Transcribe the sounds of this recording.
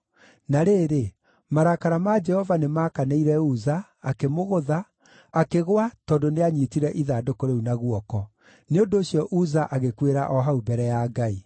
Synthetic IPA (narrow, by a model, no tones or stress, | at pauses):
naɾeːɾe | maɾakaɾamad͡ʒɛhɔvanemaːkaneiɾɛuzaː | kemoɣoða | akeɣwatɔːndoneaɲiːtiɾɛʔiðaːdokoɾeunaɣwɔkɔ | neondoːɕiɔʔuzaʔaɣekweɾaʔɔɦaubɛɾɛjaːɡai